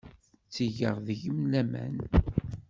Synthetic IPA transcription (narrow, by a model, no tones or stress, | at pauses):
t͡sːiʝəʁðəʝəmlæmæ̰n